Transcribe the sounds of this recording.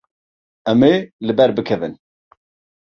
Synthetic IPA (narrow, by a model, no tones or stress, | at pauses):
ɛmelɨbɛɾbɨkʰɛvɨ̰n